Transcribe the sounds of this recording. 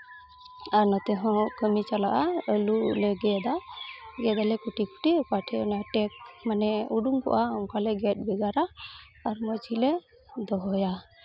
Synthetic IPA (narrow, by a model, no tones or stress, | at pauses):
aɾnɔt̪ɛɦɔ̃kəmit͡ʃalaʔaəlulɛɡɛd̪aɡɛd̪alɛkuʈiku̥ʈipaʈʰɛɔnɔaʈɛk̚manɛuɖuŋkɔ̰ʔaɔŋkalɛɡɛt̪̚ˀbɛɡaɾaː | ɾmɔt͡ʃilɛ | d̪ɔɦɔja